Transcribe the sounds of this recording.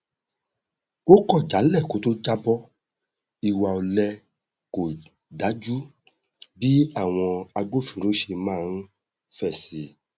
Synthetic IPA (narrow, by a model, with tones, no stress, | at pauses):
o˦kɔ˦˨d͡ʒa˨˦lɛ˦˨ko˨˦to˦d͡ʒa˦bɔ˦ | i˧wa˧o˧lɛ˧ | ko˨ | da˨˦d͡ʒu˦ | bi˦a˦˨w̃ɔ̃˧a˧ɡ͡bo˦fĩ˨ɾo˨˦ʃe˧mãː˦˨n˦ | fɛ˦˨si˨˦